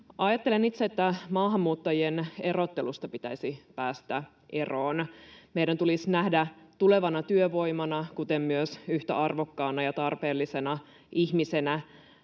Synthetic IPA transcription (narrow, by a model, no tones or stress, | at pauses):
ʔɑjɑt̪ːe̞lenit̪seet̪ːæmɑːɦɑmːuːt̪ːɑjienero̞t̪ːe̞lust̪ɑpit̪æisipæːst̪æ | ʔe̞roːnmeiɾænt̪ulisnæhdæt̪ule̞ʋɑnɑt̪yøʋo̞imɑnɑkut̪emmyøsyht̪æ̰ʔɑrʋo̞kːɑːnɑjɑt̪ɑrpeːlːisenɑ | içmisenæ